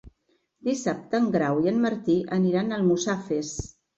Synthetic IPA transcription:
d̪isap̚t̪əːŋɡɾawiənməɾt̪iʔəniɾanəlˠmusafes

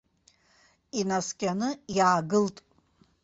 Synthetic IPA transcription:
inaskʲʼanɨjaːɡɨltʼ

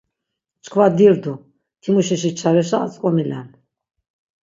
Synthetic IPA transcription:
t͡ʃkʰvad̪iɾd̪u | t̪ʰimuʃiʃit͡ʃʰaɾɛʃ̬a̰ːt͡sʼkʼɔmilɛn

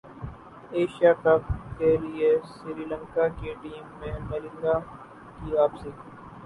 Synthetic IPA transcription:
eːʃjaːkɐbkeliesɪɾiːlə̃ŋkaːkeʈiːmːẽmɐɾɪ̃nd̪aː | kiaːpsiː

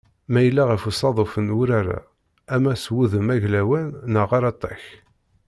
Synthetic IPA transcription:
mæjəlːaʁəfusˤɑðˤofənwʊɾaɾæ̰ | æmæswuðəmæʝlæwænːəʁaɾˤɑt̪ˤːɑç

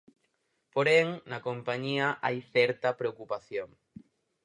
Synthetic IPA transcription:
poɾeŋnɐkompaɲiɐʔajθɛɾt̪ɐpɾeokupaθjoŋ

